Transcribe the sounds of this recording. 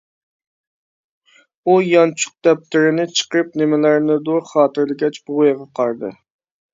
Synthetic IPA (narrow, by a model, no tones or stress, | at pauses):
ujɑnt͡ʃʰʊ̥q̚d̪ɛp̚t̪ʰɪɾɪnɪt͡ʃʰə̥qɾɨp̚nɪmɪlæɾnɪd̪oɾχɑːt̪ɨɾlɪɡʲɛt͡ʃbʊʁojʁɑqʰɑɾd̪ɨ̰